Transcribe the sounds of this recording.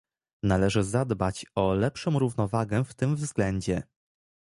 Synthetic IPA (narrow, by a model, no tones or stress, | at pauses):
nalɛʐɘzad̪bat͡ɕɔlɛpʂɔmɾuvnɔvaɡɛft̪ɘmvzɡlɛɲd͡ʑɛ